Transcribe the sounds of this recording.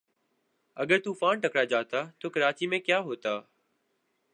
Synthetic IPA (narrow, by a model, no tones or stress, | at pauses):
əɠəɾt̪uːfaːɳʈəkɽaːd͡ʒaːt̪aːt̪oːkəɾaːt͡ʃiːmẽːkjaːɦoːt̪aː